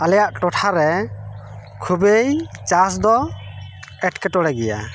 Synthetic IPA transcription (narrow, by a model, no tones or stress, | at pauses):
alɛjaʔʈɔʈʰaɾɛ | kʰubejt͡ʃasd̪ɔ | ɛʈkɛʈɔɽɛɡɛja̰